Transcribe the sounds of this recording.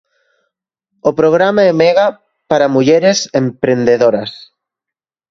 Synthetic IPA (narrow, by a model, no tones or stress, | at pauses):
opɾoɣ̞ɾamaemeɣa | paɾamuʎeɾesempɾẽnd̪eðoɾas